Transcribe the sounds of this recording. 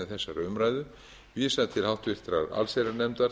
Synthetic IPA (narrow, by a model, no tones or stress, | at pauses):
ɪθɛsːaɾʏmɾaːjðʏ | viːsaðt̪ʰɪlhawht̪vɪr̥t̪ɾaɾa̰lsajɾaɾnɛmt̪aɾ